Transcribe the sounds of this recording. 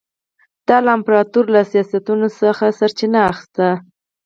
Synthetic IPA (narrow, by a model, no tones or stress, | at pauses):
d̪̥ɑlaɪmpɾɑt̪uɾlasijɑsat̪unosəxasaɾt͡ʃɪnaːxɪ̥st̪a